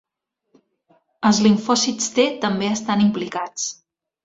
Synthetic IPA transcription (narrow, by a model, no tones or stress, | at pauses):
əlˠzliɱfɔsit͡st̪et̪əmbeəst̪animplikat͡s